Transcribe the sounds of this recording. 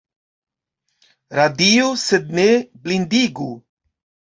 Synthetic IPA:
ɾad̪iːosed̪̚neblind̪iɡu

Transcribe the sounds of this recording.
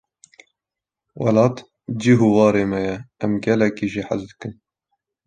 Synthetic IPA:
wɑlɑːt̪ | d͡ʒiːɦuwɑːɾeːmɛjɛɛmɡɛlɛkiːʒiːħa̰zd̪ɨ̥kɨn

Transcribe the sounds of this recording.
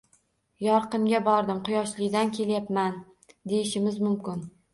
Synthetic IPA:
jɒɾqɨmɡʲabɒɾd̪ɪmqʰʊjɒʃlɪɡʲd̪ankʲʰe̞ljapman | d̪e̞jɪʃɪmɪzmʊmkʲɪn

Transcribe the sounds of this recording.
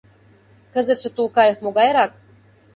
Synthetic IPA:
kə̆zə̆t̪ʃɘ̆t̪ulˠkɑjɤ̆xmoɡɑjɾɑk̚

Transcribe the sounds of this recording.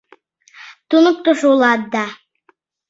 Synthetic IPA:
t̪unok̚t̪oʃuwlˠɑd̪ːɑ

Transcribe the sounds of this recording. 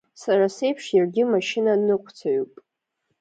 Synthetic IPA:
sarase̞jpʰʂjarɡʲɪmaʃɪnanɨqʷʰt͡sʰaɥupʼ

